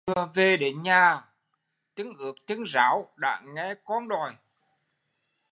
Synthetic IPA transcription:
ɨ˨˧əve˨˩ɗe˨˩˦nɲaː˨˩ | t̪ɨ˨˦ŋʔɨ˨˩ək̚t̪ɨ˨˦ŋzaː˨˦wɗa̰ː˧˥ŋɛ˧˩kɔ˧˥nɗɔ˨˩j

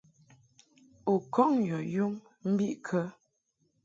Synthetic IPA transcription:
o˨kɔ˦ŋjɔ˨ju˦m | m̩˦bi˦ʔkʰə˦

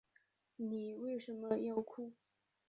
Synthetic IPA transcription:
ni˨˩we˥˩ɪʂə˧˥nmə˦jɑ˥˧ʊkʰu˥˩

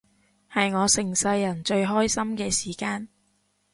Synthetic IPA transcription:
hɐ˨jŋɔː˨˧sɪ˨˩ŋsɐ˧jːɐ˨˩nt͡ʃɵ˧ɥɦɔː˥jsɐ˥mkɛː˧siː˨˩kaː˧n

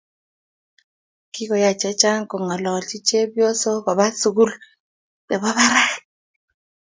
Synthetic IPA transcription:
ki˦ko˨ja˨t͡ʃɛ˦t͡ʃa˦ŋko˨ŋɔ˨lɔ˨lt͡ʃi˦t͡ʃe˦bjo˦so˦bɔ˨βa˦su˨ɡu˦l | bɛ˨bɔ˦βa˦ɾa˦k

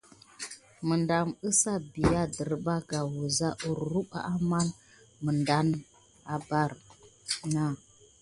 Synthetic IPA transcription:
mə˨nda˨mə˦sa˦bi˨ja˦də˨ɾba˦ɡa˨wu˨za˦ʔu˨ɾɾu˦ɓa̰˦ʔa˦ma˦n | mə˨nda˦n | a˨ba˦ɾ | na˦˨

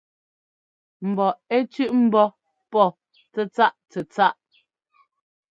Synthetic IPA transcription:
m̩˨bɔ˨ɛ˦t͡ʃʉ˦ʔm̩˦bɔ˦ | pɔ˦˨ | t͡sɛ˦t͡sa˦ʔt͡sɛ˨t͡sa˦ʔ

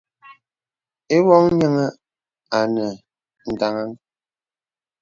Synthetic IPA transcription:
e˦wɔ˦ŋ˦ɲə˦ŋə˦ | a˨nə˨ | n̩˨da˨ŋa˦ŋ

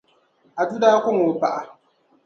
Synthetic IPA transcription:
ʔa˨du˦daː˦kʷʊ˦ŋo˨pa˦˨ʔa˨

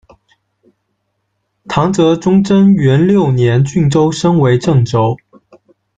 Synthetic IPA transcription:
t̪ʰɑ˧˥ŋt͡sɤ˧˥ʈ͡ʂʊ˥ŋʈ͡ʂə˥nɥɛ˧˥nljo˥˩ʊnjɛ˧˥nt͡ɕy˥˩ŋʈ͡ʂo˥ʊʂɤ˥ŋwe˧˥ɪʈ͡ʂɤ˥˩ŋʈ͡ʂo˥ʊ

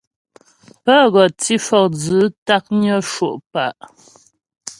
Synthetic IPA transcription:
pə˦˨ɣɔ˨t͡si˦fɔ˨k̚d͡zɨ˨˦ta˦k̚ɲə˦ʃo˨ʔpa˨ʔ

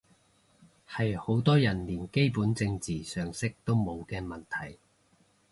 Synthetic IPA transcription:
hɐ˨jho˨˥wt̪ɔː˥jɐ˨˩nliː˨˩nke˥jpuː˨˥nt͡sɪ˧ŋt͡siː˨sœː˨ŋsɪ˥k̚t̪o˥wmo˨˧wkɛː˧mɐ˨˩nt̪ʰɐ˨˩j

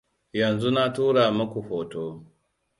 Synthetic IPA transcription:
jɐ˨nzu˦na˦tuː˦ɽaː˨mɐ˦kʷu˨hoː˨toː˦

